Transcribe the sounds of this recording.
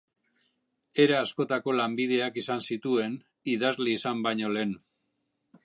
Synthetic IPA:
e̞ɾeasko̞t̪ako̞lambiðe̞akisansit̪ue̞n | iðazliːsambajɲo̞le̞ːn

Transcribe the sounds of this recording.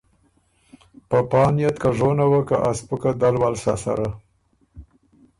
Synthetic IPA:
pəpɑnijat̪kaʐonawakaʔaspəkad̪alwalsa̰sa̰ɾa

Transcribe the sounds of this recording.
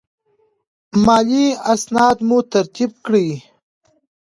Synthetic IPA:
mɑːliasnɑːd̪mut̪aɾt̪ib̚kɽi

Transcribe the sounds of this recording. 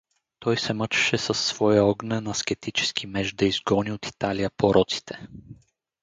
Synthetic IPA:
t̪ɔjsɛmət͡ʃɛ̥ʃɛsɐsːv̥ɔjəɔɡnɛnɐsk̟ɛt̪it͡ʃɛ̥skʰimɛʒd̪ɐizɡɔniot̪i̥t̪alijəpoɾʔɔt̪si̥t̪ʰɛ̥

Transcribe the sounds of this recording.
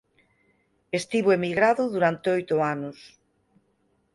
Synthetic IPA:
est̪iβoemiɣɾaðʊðuɾant̪eojt̪oanʊs

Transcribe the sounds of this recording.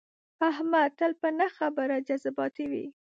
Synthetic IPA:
ahmat̪ːəlpənaxabəɾad͡ʒazabɑt̪iwḭ

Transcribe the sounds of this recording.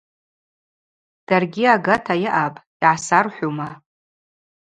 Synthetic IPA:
d̥arɡʲiaɡatʰajɪʔapʼ | iʕasarħʷuma

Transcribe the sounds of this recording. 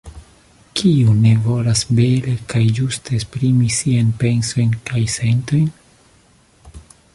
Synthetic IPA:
kʰiune̞vo̞lasbe̞lekajd͡ʒusteːspɾimisianpe̞nso̞jnkajse̞nto̞jn

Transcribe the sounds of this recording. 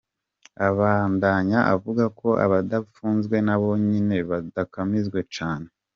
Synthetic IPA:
aβaːndaɲaʔavuɡako̞ʔa̰βadafuːnzɡwe̞naβo̞ɲine̞βadakamizɡwe̞t͡ʃaːne̞

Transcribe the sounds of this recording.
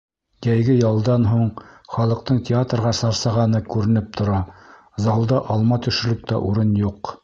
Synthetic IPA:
jæjɡɘjɑlˠd̪ɑnɦuɴχɑlˠɤ̆q̚t̪ɤɴtʲɪat̪rʁɑsɑɾsɑʁɑnɤkʉɾɘ̆nɘp̚t̪ʰŏɾɑ | zɑlˠd̪ɑʔɑlˠmɑt̪ɵ̆ʃɘ̆lɵk̚t̪æ̰ʔuɾɤnjuq

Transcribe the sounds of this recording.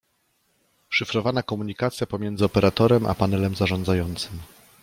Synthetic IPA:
ʂɘfɾɔvanakɔmuɲikat̪sʲjapɔmʲjɛnd̪zɘɔpɛɾat̪ɔɾɛmʔa̰panɛlɛmzaʐɔnd̪zajɔnt̪sɘm

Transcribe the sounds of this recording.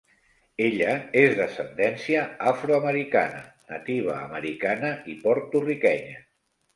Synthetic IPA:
eʎəezðəsənd̪ɛnsiəafɾuəməɾika̰nə̰ | nət̪iβ̞ə̰ːməɾikanəipɔɾt̪urikɛɲə

